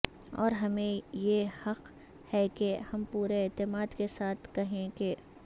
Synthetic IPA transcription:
ɔ̰ːɾɦɐmẽjehɐq | hɛkehɐmpuːɾeːt̪ɪmaːd̪kesaːt̪ʰkɐɦẽke

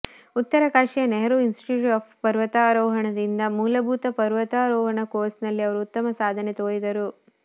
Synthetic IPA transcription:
ut̪ːɐɾɐkaːʂijɐneɦɐɾuinsi̥ʈuːaːpʰpɐɾʋɐt̪aːɾɔːɦɐɳɐd̪ind̪ɐmuːlɐbʱuːt̪ɐpɐɾʋɐt̪aːɾɔːɦɐɳɐkoːsnɐlːiɐʋɐɾuut̪ːɐmɐsaːd̪ʱɐnet̪oːɭid̪ɐɾu

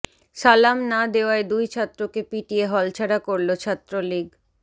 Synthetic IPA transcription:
ʃalamnad̪eoaed̪ujt͡ɕʰat̪ːɾokepiʈieɦɔlt͡ɕʰaɽakoɾlot͡ɕʰat̪ːɾoliɡ

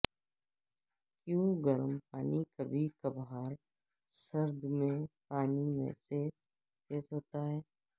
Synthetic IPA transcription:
kjũːɡəɾəmpaːnikɐbʱikɐbɦaːɾ | sɐɾd̪ʱmẽpaːnimḛ̃se | keːsɦoːt̪aɦɛː

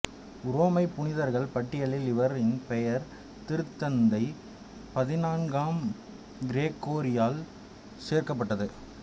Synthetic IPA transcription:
ʊɾoːmɐɪpːʊɳɪðɐɾɣɐɭpɐʈːɪjɐɭɪlɪʋɐɾɪnpɛjɐɾ | t̪ɪɾɯt̪ːɐnd̪ɐɪ | pɐðɪnaːnɡaːm | ɡɪɾeːkːoːɾɪjaːl | seːɾkɐp̬ːɐʈːɐðɯ

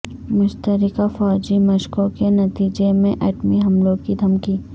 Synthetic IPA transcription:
mʊʃt̪əɾɪkafɔːd͡ʒimɐʃkokenɐt̪iːd͡ʒemẽʔɛːʈmiɦɐmlõkid̪ʱɐmkiː

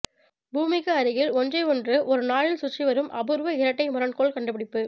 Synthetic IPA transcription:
buːmɪkɐɐɾɯɣɪlɔnd͡ʒɐɪɔndrɯʔɔɾɯnaːɭɪlsʊt͡ʃːiʋɐɾɯmʔɐbɯɾʋɐɪɾɐʈːɐɪmʊɾɐɳkoːɭkɐɳɖɯpɪɽɪpːɯ

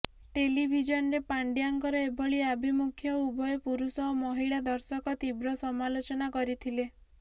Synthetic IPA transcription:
ʈelibʱid͡ʒɔnɔɾepaɳɖijaŋkɔɾɔebɔɭiabʱimukʰjɔubʱɔjepuɾusɔːmɔɦiɭad̪ɔɾsɔkɔt̪ibɾɔsɔmalot͡ʃɔnakɔɾit̪ʰile

